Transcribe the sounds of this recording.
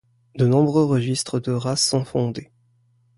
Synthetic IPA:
d̪ənɔ̃bʁøʁəʒist̪χəd̪əʁasːɔ̃fɔ̃d̪e

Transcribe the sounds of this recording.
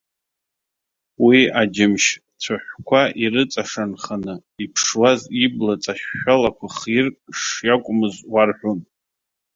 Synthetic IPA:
wiad͡ʒɪmʃ | t͡sʷʰaħʷkʷʰaʔiɾɨt͡sʼaʂanχanɨipʰʂwaziblat͡sʼaʃːalakʷʰaχirkʼʂjakʷʼʊmɨzwarħʷᶣun

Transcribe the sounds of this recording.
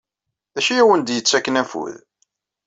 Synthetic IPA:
æʃijæwənd̪jət͡sːækːənæfṵð

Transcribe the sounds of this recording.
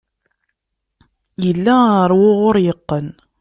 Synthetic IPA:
jəlːæəɾˤwʊʁʊɾjəqːən

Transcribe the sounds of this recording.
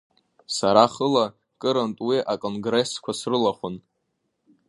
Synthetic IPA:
saɾaχəla | kʼɨɾantʼwiʔakʼo̞nɡre̞skʷʰasrɨlaχʷʊn

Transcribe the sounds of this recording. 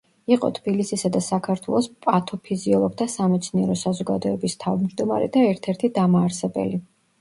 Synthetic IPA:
iqʼɔ̰t̪ʰb̥ilisisad̪asakʰaɾt̪ʰwɛ̰lˠɔspʼat̪ʰɔpʰiziɔlˠɔɡ̚t̪ʰasamɛt̪sʰniɛɾɔsazɔɡa̰d̪ɔɛbist̪ʰavmd͡ʒd̪ɔma̰ɾɛ̰d̪aɛɾt̪ʰɛɾt̪ʰid̪amaːɾsɛbɛ̰li

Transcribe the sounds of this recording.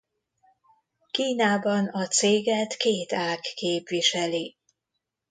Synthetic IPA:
kiːnaːbɒnɒt̪seːɡɛt̪keːt̪aːkːeːpʋiʃɛli

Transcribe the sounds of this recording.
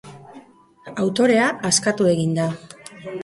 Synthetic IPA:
awt̪o̞ɾe̞aʔːskat̪ue̞ɣind̪a

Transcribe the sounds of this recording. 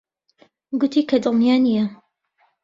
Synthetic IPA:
ɡʊt̪ʰiːkʰɐd̪ɨlnijaːnijɐ

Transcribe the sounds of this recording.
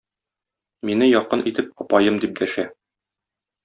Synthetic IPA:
minɘjɒqɤnʔit̪ɘp̚ɒpɑjɤmd̪ip̚d̪æʃæ

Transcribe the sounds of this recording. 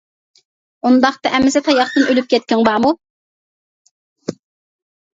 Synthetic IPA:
und̪ɑχt̪ɑʔɛmːɪst̪ʰɑjɑχt̪ɨnølyp̚kʲʰɛt̪̚kʲɪŋbɑʁmu

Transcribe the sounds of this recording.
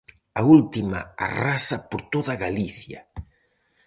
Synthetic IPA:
ɐult̪imɐ̰a̰rasɐpoɾt̪oðɐɣaliθjɐ̰

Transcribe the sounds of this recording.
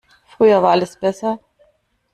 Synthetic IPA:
fʁ̥yːɐvaːɐʔaləsb̥ɛsɐ

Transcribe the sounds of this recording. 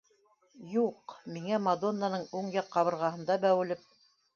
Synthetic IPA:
juqmiŋæmad̪o̞nːanɤɴuɴjɑqːɑβɤ̆ɾʁɑhɤ̆nd̪ɑbæwɘ̆lɘp̚

